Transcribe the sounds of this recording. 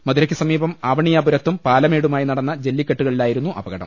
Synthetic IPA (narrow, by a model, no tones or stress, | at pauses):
mɐðuɾɐkʲːisɐmiːbɐmaːbɐɳijaːbuɾɐt̪ːumpaːlɐme̞ːɽumaːjinɐɽɐnːɐd͡ʑe̞lːikʲːeʈːuɣɐɭilaːjiɾunːuʔɐ̰bɐɣɐɽɐ̰m